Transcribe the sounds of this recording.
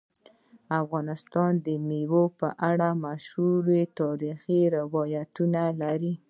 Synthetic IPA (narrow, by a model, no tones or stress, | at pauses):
afɣɑnɪst̪ɑnd̪əmiwopəʔaɽamaʃhuɾet̪ɑɾixiɾɪwɑjat̪unalaɾi